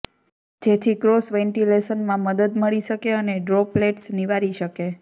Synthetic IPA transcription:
d͡ʒet̪ʰikɾosʋẽɳʈilesənmãməd̪əd̪məɭiʃəkeəneɖɾopleʈsniʋaɾiʃəke

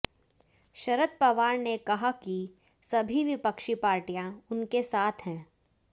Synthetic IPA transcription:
ʃɐɾət̪̚pɐʋaːɾnekɐɦaki | sɐbʱiʋɪpəkʃipaːɾʈijãʊnkesaːt̪ʰɦɛ̃ː

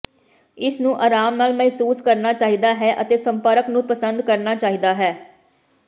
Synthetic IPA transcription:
ɪsnũːʔaːɾaːmnaːlmɛɦsuːskəɾnaːt͡ʃaːɦiːd̪aːɦɛːʔət̪eːsəmpəɾəknũːpəsənd̪kəɾnaːt͡ʃaːɦiːd̪aːɦɛː

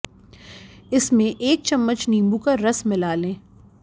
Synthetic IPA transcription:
ɪsmẽʔeːk̚t͡ʃɐmːət͡ʃnĩːmbukaɾɐsmɪlaːlẽː

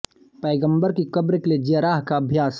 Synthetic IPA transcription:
pɐːɡə̃mbəɾkikɐbɾɪkled͡ʒiaɾaːɦkaɐbʱjaːs

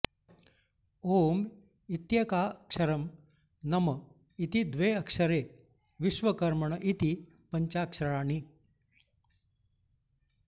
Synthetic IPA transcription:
oːm | it̪jɐkakʂɐɾəm | nɐmə | it̪id̪ʋeɐkʂəɾe | ʋisʋəkɐɾməɳʔit̪i | pəɲt͡ɕakʂɾəɭaːni

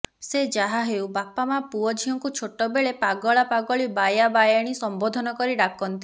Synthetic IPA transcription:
sed͡ʒaɦaɦewbapamapuɔd͡ʒʱiɔŋkut͡ʃʰoʈɔbeɭepaɡɔɭapaɡɔɭibajabajaɽ̃isɔmbod̪ʱɔnɔkɔɾiɖakɔnt̪i

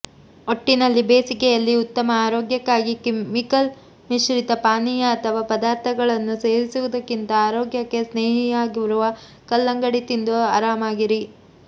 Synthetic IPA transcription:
oʈːinɐlːibeːsikɛjɐlːiut̪ːɐmɐaːɾoːɡjɐkːaːɡikemikɐl | miʃɾit̪ɐpaːnijɐːt̪ʰɐʋaːpɐd̪aːɾt̪ʰɐɡɐɭɐnːuse̞ːɾisuʋud̪ɐkːint̪ɐaːɾoːɡjɐkːe̞sneːɦijaːɡiʋɾuʋɐ | kɐlːɐŋɡɐɽit̪ind̪ua̰ːɾaːmaːɡiɾi

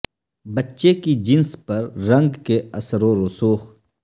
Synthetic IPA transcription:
bɐtːʃekid͡ʒɪnspɐɾːɐ̃ŋɡkeɐsɾõɾʊsuːx

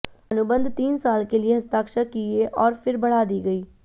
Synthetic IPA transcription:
ənʊbə̃nd̪ʱt̪iːnsaːlkelieɦɐst̪aːkʃakieʔɔːɾfʰɪɾbəɽ̤aːd̪iːɡəiː

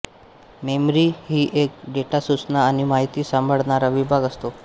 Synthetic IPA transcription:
memɾihiːʔek̚ɖeʈasut͡snaːñimaɦit̪iːsãmbʱəɭɳaɾaʋibʱaɡəst̪o

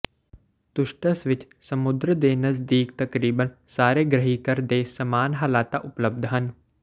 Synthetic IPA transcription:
t̪ʊʃʈəsʋɪt͡ʃsɐmʊd̪ɾəd̪eːnɐzd̪iːkt̪ɐkɾiːbənsaːɾeːɡɾəɦikɐɾd̪eːsɐmaːnɦaːlaːt̪aʔʊpləbd̪ʱɦɐn

